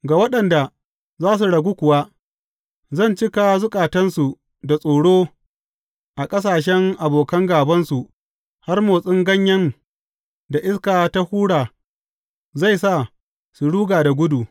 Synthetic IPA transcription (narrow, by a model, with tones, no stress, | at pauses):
ɡa˨wɐ˦ɗɐ˨nda˨ | zaː˦s̬u˨ɽɐ˨ɡʷu˦kʷʊ˨wa˦ | zɐ˦˨nt͡ʃɪ˦ka˨zʊ˦kʼaː˨tɐ˦nsu˨ | da˨sʼoː˨ɽoː˦ | ʔa˨kʼɐ˦s̬aː˨ʃ̬ɛ˦ŋʔa˨boː˨kɐ˦ŋɡaː˨bɐ˦nsu˨ʔ | ha˦rmoː˨sʼɪ˦ŋɡɐ˦ɲjɐ˦ŋ | da˨ʔɪ˦skaː˨ta˦huː˦ɽaː˨ | za˦˨jsa˦˨ | su˨ɽuː˦ɡaː˨da˨ɡʷʊ˦du˨